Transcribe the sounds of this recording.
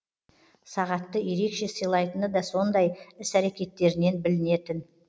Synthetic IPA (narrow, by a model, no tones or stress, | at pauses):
sɑʁɑt̪ːəje̞ɾe̞kʃe̞səjlˠɑjt̪ənəd̪ɑso̞nd̪ɑjɪsæɾe̞kʲe̞t̪ːe̞ɾɪne̞nbɪlɪne̞t̪ɪn